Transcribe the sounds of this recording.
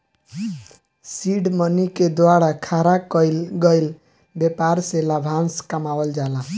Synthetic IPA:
siɖməniked̪waɽakʰaɾakəjlɡəjl | bepaɾselabʱanskəmawəld͡ʒala

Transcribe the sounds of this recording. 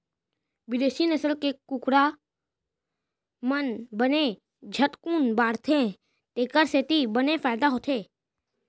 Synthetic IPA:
ʋɪd̪eːʃinəsəlkekʊkɾa | mənbəne | d͡ʒʱət̪kuːnbaːɽt̪ʰẽ | t̪eːkəɾseːt̪ibənefaːɪd̪aɦoːt̪ʰeː

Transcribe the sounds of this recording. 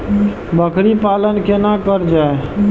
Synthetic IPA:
bəkɾipalənkenakəɾd͡ʒae

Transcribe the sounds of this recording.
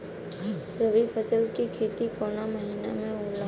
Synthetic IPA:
ɾəʋipʰəsəlkikʰeːt̪ikoːnaməɦiːnamẽoːla

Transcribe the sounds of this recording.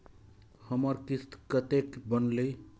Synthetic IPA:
həməɾkist̪kət̪ekbənlej

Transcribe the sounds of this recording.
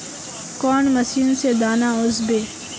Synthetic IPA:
kɔːnməsiːnsed̪aːnaːʊzbeː

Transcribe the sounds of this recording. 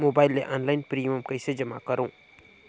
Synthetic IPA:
mobaːɪlːeʔɔ̃ːnlaːɪnpɾijəmkɐɪsed͡ʒɐma̰kəɾõː

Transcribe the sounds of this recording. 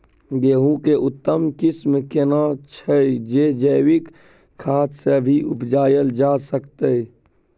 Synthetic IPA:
ɡeːɦũkeʔʊt̪ːəmkɪsmkeːnat͡ʃʰəd͡ʒed͡ʒəːwɪk | kʰːaːt̪sebʱiʔʊpd͡ʒaːjəld͡ʒaːsəkt̪e

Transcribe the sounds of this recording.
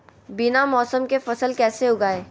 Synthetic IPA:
binamɔːsəmkefɐsəlkɛːseʊɡaːeː

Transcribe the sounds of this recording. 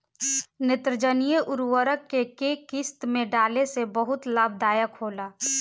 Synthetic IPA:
nɪt̪ɾəd͡ʒənijəʔʊɾwəɾəkːekeːkɪst̪mẽɖaːlesebəɦʊt̪lab̚d̪aːjəkʰoːlaː

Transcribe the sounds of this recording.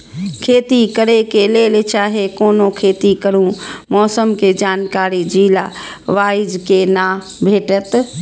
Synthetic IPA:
kʰeːt̪ikəɾekeleːlet͡ʃaːɦekoːnokʰeːt̪ikəɾũmɔːsəmked͡ʒaːnkaːɾid͡ʒiːla | ʋaːɪd͡ʒkena | bʱeːʈət̪

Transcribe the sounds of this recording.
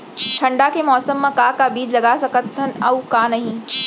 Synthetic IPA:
ʈʰɐ̃ɳɖakemɔːsəmːãkaːkabiːd͡ʒlɐɡasɐkət̪ːənɐʊkãːnɐɦĩː

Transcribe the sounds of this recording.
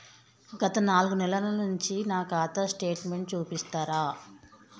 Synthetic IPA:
ɡɐt̪ɐnaːluɡunɛlɐlɐnuɲt͡ʃinaːkaːt̪ɐsʈe̞ːʈme̞ɳʈ̚t͡ʃuːpist̪aːɾaː

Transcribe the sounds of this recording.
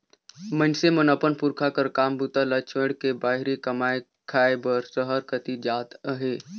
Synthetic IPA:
mə̃nsemənəpənpʊɾkʰakəɾkaːmbut̪alət͡ʃʰeɽkebaːɦɪɾekɐmaːe | kʰaːebəɾsəɦəɾkət̪id͡ʒaːt̪əɦeː

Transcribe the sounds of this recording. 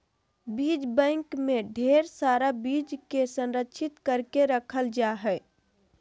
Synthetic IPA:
bid͡ʒbə̃ɪŋkmeɖʱeɾsaɾabid͡ʒkesə̃nɾəkːʃʰit̪kəɾkeɾəkʰəld͡ʒaɦɛɪ

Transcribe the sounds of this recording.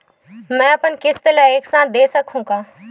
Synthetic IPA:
mɛ̃ːɐpənkɪst̪əlaeːksãːd̪eːsɐkʰũːkaː

